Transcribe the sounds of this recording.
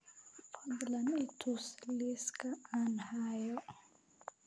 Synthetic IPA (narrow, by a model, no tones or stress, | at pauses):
fad̪lanitʰusliskaanhajɔ